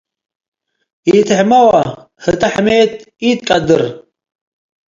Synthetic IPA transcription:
iːt̪ʰħmɐwa | hɨt̪ʼaħmeːt̪̚ | iːt̪̚kʼɐd̪ɨɾ

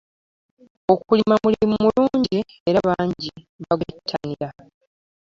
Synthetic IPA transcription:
o̞kulimamuliimumuluːɲɟi | e̞ɾaβaːɲɟi | βaɡutʰːaniɾa

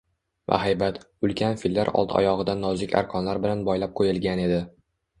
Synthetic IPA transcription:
va̰ɦajbat̪ | ʊlˠkʲʰanfilːaɾɒ̰lˠt̪ʰɒ̰jɒʁɨd̪anːɒzɪkʲa̰ɾqʰɒnlaɾbɪlanbɒjlap̚qʰojɪlɡʲane̞d̪ɪ

